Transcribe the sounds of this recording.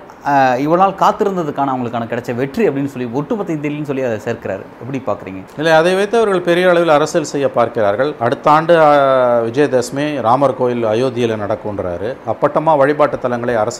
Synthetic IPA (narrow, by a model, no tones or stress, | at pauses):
ɪʋɐɭɐnaːlkaːt̪ːɪɾɯnd̪ɐðɯkːaːnɐʋɐŋɡɐɭɯkːaːnɐkɪɽɐt͡ʃːɐʋɛʈriɐpːɐɽɪnːɯsɔlːiɔʈːɯpɐt̪ːɐɪnd̪ilnɯsɔlːiɐðɛseːɾkɪɾa̰ːɾɛpːɐɽipaːɾkɪɾḭːŋɡɐɪlːɐɐðɐɪʋɐɪt̪ːɯɐʋɐɾɣɐɭpɛɾɪjɐːɭɐʋɪlɐɾɐsɪlsɛjːɐpaːɾkɪɾaːɾɣɐɭɐɽɯt̪ːaːɳɖɯʋɪd͡ʒɐjd̪esmeɾaːmɐɾkoːjɪlɐjoːðɪjɪlnɐɽɐkːɯɔɳɖɾa̰ːɾɯɐpːɐʈːɐmaːʋɐɻɪbaːʈːɯt̪ːɐlɐŋɡɐɭɐɪɐɾɐs